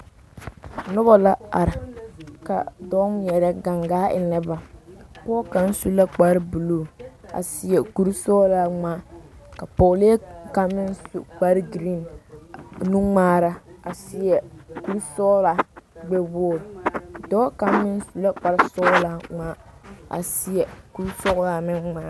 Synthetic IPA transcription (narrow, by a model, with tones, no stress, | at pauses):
nʊ˦ba˦la˦a̰˨ɾɪ˨ka̰˨dɔ˦m˦jɛ˨ɾɛ˦ɡa˨ŋɡaː˦ɪ˨nɛ˦ba˨pɔː˦ka˨n˦su˦la˦k͡pa˦ɾɪ˦bu˨luː˦˨a̰˨sɪ˨jɛ˨ku˨ɾsɔː˦la˦ŋaː˦ka˨pɔː˨le˦ka˦mːɪ˦nsṵ˦k͡pa˦ɾɪ˦ɡɾi˦˨n | nu˦ŋ͡maː˦ɾa˦a˨si˦ɛ˨ku˦ɾsɔ˦la˨ɡ͡bɛ˦boː˦˨ɾdɔː˦ka˨m˦mɪ˦n˦su˨la˦k͡pa˨ɾɪ˦sɔ˦la˦ŋaː˦a̰˨si˦jɛ˨ku˦ɾsɔ˦la˨mɪ˦nːaː˦